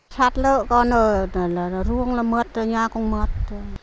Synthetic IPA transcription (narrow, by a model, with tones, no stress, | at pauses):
sʰa˧t̪̚lə˧ʔkɔ˧nə˧lɾu˧əŋla˧mə˧t̪̚ːə˧˨ɲaː˧kɔ˧ŋmə˧t̪̚ːə